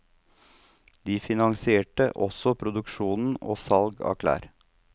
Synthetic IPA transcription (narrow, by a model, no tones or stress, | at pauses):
d̪iːfɪnɑŋsɪeːʈəʔɔsɔpʰɾʊd̪ʉkʃuːnn̩o̰ːsɑlɡɑ̰kʰlæ̰ːɾ